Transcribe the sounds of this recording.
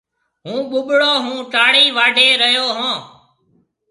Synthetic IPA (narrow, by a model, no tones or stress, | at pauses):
ɦũːɓʊɓɽoːɦũːʈaːɽiːʋaːɖʱeːɾəjoːɦõː